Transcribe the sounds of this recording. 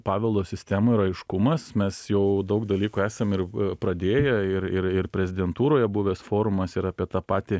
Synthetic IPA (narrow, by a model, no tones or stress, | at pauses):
pɑːʋʲɛlˠd̪oːsʲɪsʲt̪ʲæːmoːɪɾɐɪʃkʊmɐsmʲɛsjɛʊd̪ɐʊkd̪ɐlʲiːkuæːsɐmɪrpɾɐd̪ʲeːjɛɪɾɪrɪɾpʲɾʲɛzʲɪd̪ʲɛnt̪uːɾoːjɛbuʋʲɛːsfoːɾʊmɐsɪɾɑːpʲiɛt̪ɑːpɑːt̪ʲɪ